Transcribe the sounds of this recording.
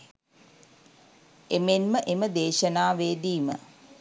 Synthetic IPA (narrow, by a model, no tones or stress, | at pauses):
emenməʔeməd̪eːʃənaːʋeːdiːmə̰